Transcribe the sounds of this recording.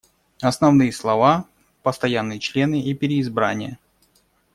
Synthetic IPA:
ɐsnɐvnɨjəslˠɐva | pəst̪ɐjanːɨjət͡ɕlʲe̞nɨʔipʲɪɾʲɪːzbɾa̰nʲɪjə

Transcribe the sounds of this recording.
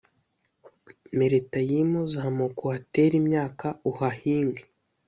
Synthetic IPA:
meɾetajimuzaɦamokohateɾimɲaːkauhahiːŋɡe

